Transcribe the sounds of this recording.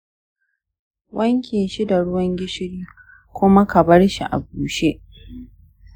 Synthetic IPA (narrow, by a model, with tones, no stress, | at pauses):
wʔɐ˦ŋkʲe˨ʃi˦da˨ɽʊ˦wɐ˦ŋɡʲɪ˦ʃɪ˦ɽiː˦ | kʷʊ˦ma˦kɐ˨bɐ˦ɽʃi˨ʔa̰˨buː˨ʃe˦ʔ